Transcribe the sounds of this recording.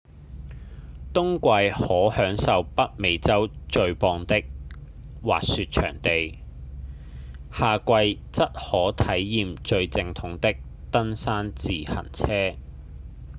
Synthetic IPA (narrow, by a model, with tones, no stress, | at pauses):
t̪ʊ˥ŋkʷɐ˧jhɔː˨˥hœː˨˥ŋsɐ˨˧wpɐ˥t̚me˨˧jt͡sɐ˥wt͡ʃɵ˧ɥpɔː˧ŋt̪ɪ˥k̚ | wa̰ː˨k̚syː˧t̚t͡ʃʰœ̰ː˨˩ŋt̪e˨j | haː˨kʷɐ˧j | t͡sɐ˥t̚hɔː˨˥t̪ʰɐ˨˥jːiː˨mt͡ʃɵ˧ɥt͡sɪ˨˧ŋt̪ʰʊ˨˥ŋt̪ɪ˥k̚ | t̪ɐ˥nsaː˥nt͡siː˨hɐ̰˨˩nt͡sʰɛː˥